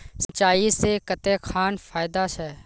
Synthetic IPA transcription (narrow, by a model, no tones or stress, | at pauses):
sət͡ʃaːisekət̪ekʰaːnfaːɪd̪aʃɛ